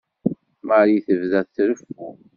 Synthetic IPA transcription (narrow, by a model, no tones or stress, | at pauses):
maɾiθəvðæðθɾəfu